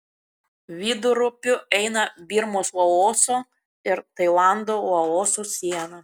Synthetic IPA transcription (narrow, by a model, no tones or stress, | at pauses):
ʋʲiːd̪ʊɾʊpʲʊɛɪnɐbʲiːɾmoːsɔoːsoː | ɪɾt̪ɐɪlˠɑˑnd̪oːɐoːsosʲiɛnɐ